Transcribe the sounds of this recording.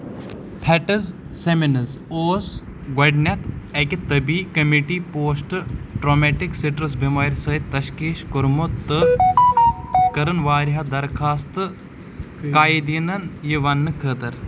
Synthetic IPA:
pʰɐʈɐz | seminɐzoːs | ɡɐɖnʲɐt̪ɐkit̪ɐbiːkɐmiʈiːpoːsʈɨʈɾoːmeʈikseʈɾɨs̬bimaːɾʲsɐit̪ːɐʃkiːʃkʊɾmot̪ːɨ | kɐɾɨnʋaːɾiɦɐd̪ɐɾkʰaːst̪ɨ | kaːjid̪inɐnjiʋɐnːɨkʰəːt̪ɐɾ

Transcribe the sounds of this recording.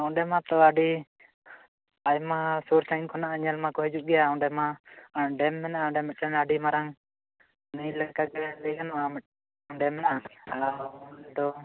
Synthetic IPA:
aw̃ɖɛmat̪ɔaɖi | ajmasuɾsajnkʰɔnaʔaɲalmakɔɦɛd͡ʒuʔɡɛjãɖɛmaɖɛmːɛnaʔaɖɛmɛʈɛnaɖimaɾaŋ | nijlɛkaɡɛləjɡanɔʔamɛ | ɖɛmːɛnaʔaand̪ɔ

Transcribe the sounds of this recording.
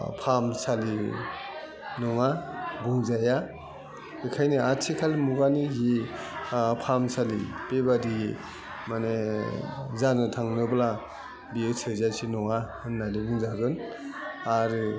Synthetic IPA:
pʰamsali | nɔŋabɯŋzaja | ikʰajniatʰikʰalimuɡanizi | pʰamsalipebadii | mane | zanɯtʰaŋnɯbla | biɯsʰɯzasʰinɔŋahɯnːadibɯŋzaɡɯn | aɾɯ

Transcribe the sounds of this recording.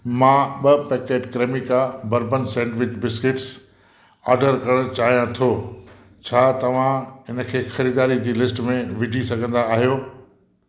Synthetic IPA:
mãɓɐpɛːkeːʈkɾeːmɪkabɐɾbənsɛ̃ːɳʈʋɪt͡ɕbɪskɪʈs | a̰ːɾɖəɾkɐɾəɽ̃t͡ɕaːɦijãt̪ʰoː | t͡ɕʰaːt̪ɐʋ̤ãɦɪnə̆kʰeːxɐɾiːd̪aːɾid͡ʑiːlɪsʈmẽʋɪd͡ʑʱisɐɡʱə̃nd̪aːɦijoː

